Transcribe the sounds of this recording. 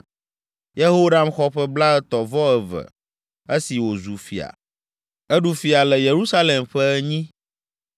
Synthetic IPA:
je˦ɦo˦ɖa˦mxɔ˦ɸɛ˦bla˦ɛ˦t̪ɔ˨vɔ˦ɛ˨və̰˨ | ə˦si˨wo˨zu˨fḭ˨a̰˨ | ɛ˦ɖu˨fi˨a˨lɛ˨je˨ɾu˦sa˦le˨mɸɛ˦ɛ˦ɲĩ˦

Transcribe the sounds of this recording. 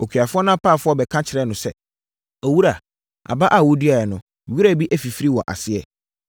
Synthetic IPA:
o˨kʰᶣɥa˨fʊ˦ɔ˦nã˦pʰaː˦˨fʊ˦ɔ˦bɛ˨kʰã˦t͡ɕʰɪ˨ɾɛ˦nʊ̃˨sɛ̰˦ | æ˨wu˦ɾa˨ | a̰˨ba˦ʔa˨wu˦di˦a˨ɛ˨nʊ̃˨ | ɥi˦ɾa˦˨bi˦ʔæ˦fi˨fi˦ɾi˦wɔ˨ʔa̰˨sɪ˦ɛ˨

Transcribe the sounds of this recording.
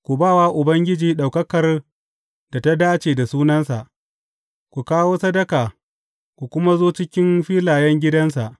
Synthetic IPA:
kʷu˨baː˦˨waː˦ʔʊ˨bɐ˦ŋɡʲɪ˦d͡ʒiː˨˦ɗa˨wkɐ˦kɐ˨r | d̥a˨ta˦daː˦t͡ʃeː˨da˨suː˦nɐ˦nsa˨ʔ | kʷu˨kaː˦wo˦sɐ˦dɐ˦kaː˨ | kʷu˨kʷʊ˦ma˦zoː˦t͡ʃɪ˦kʲɪ˦nɸiː˦laː˨jɛ˦ŋɡʲɪ˦dɐ˦nsa˨ʔ

